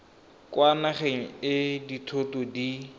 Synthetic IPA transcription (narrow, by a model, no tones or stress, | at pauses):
kwanaχeŋ̩ɪditʰotɔdi